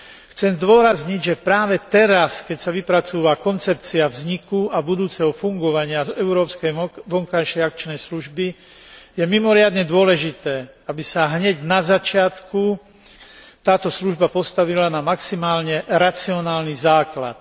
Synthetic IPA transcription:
xt͡sɛmzd̪ʊɔɾazɲiɟʒɛpɾaːʋɛt̪ɛɾaskɛcsaʋipɾat͡suːʋakɔnt͡sɛpt͡siavzɲikuabud̪uːt͡sɛɦɔfuŋɡɔʋaɲɪazɛʊɾɔːpskɛjʋɔŋkajʃɛjakt͡ʃnɛjsluʒbi | jɛmimɔɾɪad̪ɲɛd̪ʊɔlɛʒit̪ɛːabisaɦɲɛɟnazat͡ʃɪat̪ku | t̪aːt̪ɔsluʒbapɔst̪aʋilanamaksimaːlɲɛɾat͡siɔnaːlnizaːkla̰t̪̚

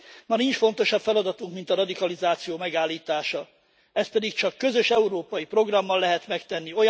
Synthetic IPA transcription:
mɒnint͡ʃfo̞n̪t̪o̞ʃɒbfɛlɒd̪ɒt̪uŋkmint̪ɒɾɒd̪ikɒlizaːt̪sijoːmɛɡaːlːiːt̪aːʃɒ | ɛst̪̚pɛd̪ikt͡ʃɒkːø̞zø̞ʃɛuɾoːpɒjipro̞ɡrɒmːɒlːɛɦɛt̪mɛkt̪ɛnːio̞j

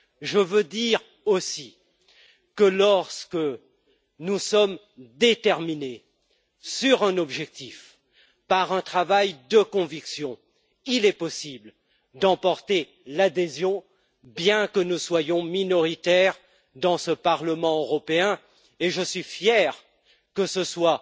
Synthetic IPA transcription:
ʒəvød̪iʁ | osi | kəlɔʁskə | nusɔm | d̪et̪ɛʁmine | syʁɛ̃nɔbʒɛk̚t̪if | paʁɛ̃t̪χavajd̪əkɔ̃viksjɔ̃ | ilɛpɔsibl | d̪ɑ̃pɔʁt̪e | lad̪ezjɔ̃ | bjɛ̃kənuswajɔ̃minɔʁit̪ɛʁ | d̪ɑ̃səpaʁləmɑ̃øʁɔpeɛ̃ | eʒəsɥifjɛʁ | kəsəswa

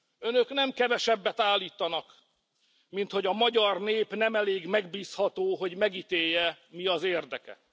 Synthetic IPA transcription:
ø̞nøknɛmkɛvɛʃɛbːɛt̪aːlːiːt̪ɒnɒk | mint̪ho̞ɟɒmɒɟɒrneːpnɛmɛleːɡmɛɡ̚biːshɒt̪oːɦo̞ɟmɛɡit̪eːjːɛmiɒzeːrd̪ɛkɛ̰

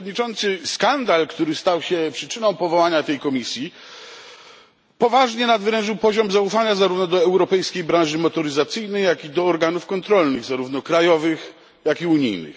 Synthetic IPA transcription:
d̪ɲit͡ʂɔnt̪sɘskand̪alkt̪uɾɘst̪awɕɛpʂɘt͡ʂɘnɔ̃w̃pɔvɔwaɲat̪ɛjkɔmʲisʲji | pɔvaʐɲɛnad̪vɾɛ̃ʐɘwpɔʑɔmzaufaɲazaɾuvnɔd̪ɔɛwɾɔpɛjskʲejbɾãʐɘmɔt̪ɔɾɘzat̪sɘjnɛjjakʲid̪ɔːɾɡanufkɔnt̪ɾɔlnɘɣzaɾuvn̪ɔkɾajɔvɘx | jakiuɲḭjnɘ̰x

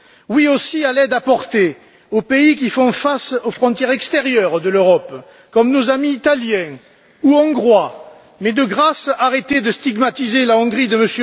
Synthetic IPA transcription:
wiosialɛd̪apɔʁt̪e | opeik̬ifɔ̃fasofχɔ̃t̪jɛʁɛkst̪eʁjœʁd̪əløʁɔp | kɔmnozamiːt̪aljɛ̃ | uɑ̃ɡʁwa | mɛd̪əɡʁasaʁet̪ed̪əst̪iɡmat̪izelaɔ̃ɡʁid̪əməsø

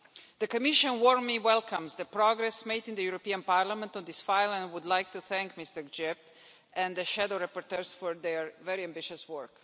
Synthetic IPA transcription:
d̪əkɔmɪʃə̃nwɔɹmliwɛlkʰãmzd̪əpɾɔɡɾɛsmeɪd̪ĩnd̪əjuɾopiãnpaɾlamɛ̃nt̪ɔ̃nd̪ɪsfaɪlˠɛ̃nwʊd̪lajk̚t̪uθæ̃ŋkmɪst̪əɹd͡ʒɛp | ɛ̃nd̪əʃædoʊɾapɔɾt̪ɛɹsfɔɹd̪ɛɹvɛɾiæ̃mbɪʃɨswɜɹk

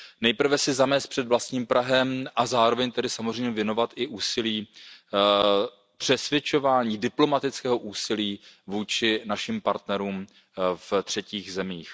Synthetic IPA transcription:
nɛjpr̩vɛsɪzamɛːst̪pr̥ɛd̪vlast̪ɲiːmpɾaɦɛmʔazaːɾo̞vɛɲt̪ɛdɪsamozrɛjmɲɛvjɛno̞vat̪ʔɪʔuːsɪliː | pr̝̥ɛsvjɛt͡ʃo̞vaːɲiːdɪplo̞mat̪ɪt͡skɛːɦoʔuːsɪliːvuːt͡ʃɪnaʃɪmpaɾt̪nɛɾuːm | ft̪r̝̥ɛciːxzɛmiːx

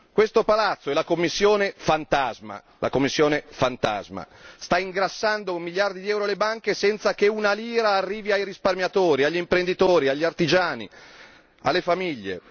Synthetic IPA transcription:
kwest̪opalat̪sːoɛlakomːisːjoːnefant̪azma̰ | lʔa̰komːisːjoːnefant̪a̰zma̰ | st̪aiŋɡɾasːand̪omːiljard̪id̪iɛwɾolebaŋkesɛnt̪sak̟eunaliːɾaːrːiːviajɾisparmjat̪oːɾiaʎːimpɾend̪it̪oːɾiaʎːiart̪id͡ʒaːnḭ | a̰lːefamiʎːḛ

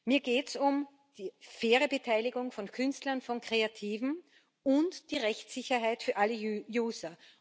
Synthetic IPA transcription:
miːɐɡeːtsʊm | d̥iːfeːʁəbətʰaɪlɪɡʊŋfɔnkʰʏnstlɐnfɔnkʁ̥eatʰiːvn̩ | ʊntd̥iːʁɛçtsɪçɐɦaɪtfyːɐʔaləjuːzɐ

